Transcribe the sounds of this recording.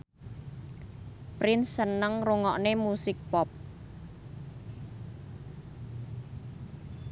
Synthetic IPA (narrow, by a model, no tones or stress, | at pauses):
pɾɪnsːənəŋruŋɔʔnemusɪk̚pɔp̚